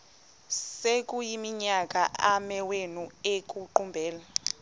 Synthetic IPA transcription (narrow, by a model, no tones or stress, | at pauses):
sek̬ʼujimiɲak̬ʼaʔamɛwenuek̬ʼuǃumbʱɛːla